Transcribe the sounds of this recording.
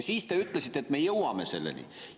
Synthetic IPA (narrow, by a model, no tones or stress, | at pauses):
siːst̪e̞yt̪ːˑle̞sit̪ːet̪me̞jɤwwɑme̞se̞̰lːḛnḭ